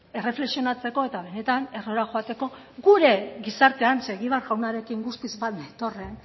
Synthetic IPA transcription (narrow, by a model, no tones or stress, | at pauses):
e̞re̞fle̞ksio̞nat͡se̞ko̞e̞t̪aβ̞e̞ne̞t̪ane̞ro̞ɾaʝo̞at̪e̞ko̞ | ɡuɾe̞ɣisaɾt̪e̞anse̞ɣiβaɾɣawnaɾe̞kiŋɡust̪izbat̪d̪at̪o̞re̞n